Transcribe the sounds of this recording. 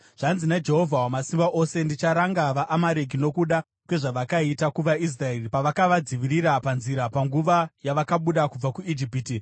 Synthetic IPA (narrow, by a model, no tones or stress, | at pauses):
ʐ̥anzinad͡ʒe̞ɦo̞vʱawamasimbaʔo̞se̞ndit͡ʃaɾaŋɡaʋaʔːmaɾek̬ino̞kuɗa | kwe̞ʐaʋakaitakuʋais̬raeripaʋakaʋad͡ziʋiɾirapanziɾapaŋɡuʋajaʋakaɓuɗakub͡vakuid͡ʒipiːti